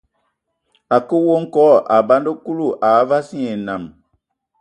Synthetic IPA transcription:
a˨ko˦wo˦ŋ̩˦kɔ˦˨ʔa˨ba˦ndo˦ku˦lu˦˨ʔa˨˦va˦si˦e˨na˨m

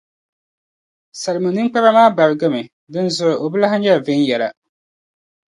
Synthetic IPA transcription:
sa˨lmɨ˨nɨ˦ŋ͡mk͡pa˦ɾa˦maː˦ba˨ɾɪ˨ɡɨ˦mɨ˨ | dɨ˦nzʊ˨ɪ˨ʔo˨bɨ˦la˦ɦa˦ɲɛ˦˨vɪ˦n˦jɛ˨la̰˨

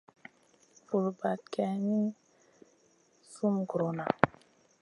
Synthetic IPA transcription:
fu˨lba˨t̚kɛ˨ni˦ | su˦mɡɾo˨na˨

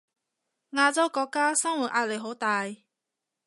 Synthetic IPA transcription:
ŋaː˧t͡so˥wkɔ˧˥kːaː˥sɐ˥ŋwu˨˩t̚ʔaː˧˥le˨˩jɦo˨˥wt̪aː˧j

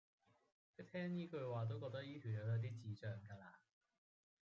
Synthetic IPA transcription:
kʰt̪ʰɛː˥ŋjiː˥kɵ˧ɥwaː˨˩t̪̬o˥wkɔː˧k̚t̪ɐ˥jiː˥t̪ʰyː˨˩jɐ˨˧wjɐ˨˧˥t̪̬iː˥t͡siː˨˥t͡ʃœː˨ŋkaː˧laː˧

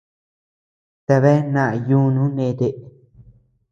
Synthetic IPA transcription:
t̪e˧βe˦nã˦˨ʔa˨ju˦nũ˦nẽ˦˧t̪e˧˨ʔ

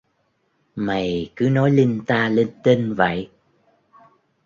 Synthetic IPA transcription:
ma˨˩jkɨ˨˦nɔ˨˦jli˧nt̪aː˧le˧nt̪e˧nvə̰˧˨j

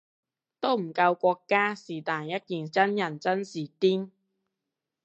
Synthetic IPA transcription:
t̪o˥wm̩˨˩kɐ˧wkʷɔː˧kːaː˥siː˨˩t̪aː˨˩njɐ˥t̚kiː˨˩nt͡sɐ˥njɐ˨˩nt͡sɐ˥nsiː˨˩t̪iː˥n

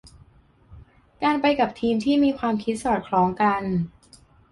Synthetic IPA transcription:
kaː˧npa˧jka˨˩p̚t̪ʰiː˧mt̪ʰiː˥˩miː˧kʰwaː˧mkʰi˦˥t̪̚sɔː˨˩t̪̚kʰlɔː˨˦˥ŋka˧n

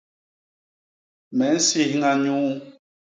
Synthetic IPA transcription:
mɛ˨˦n̩˦si˦hŋa˨ɲũ˦ʔ

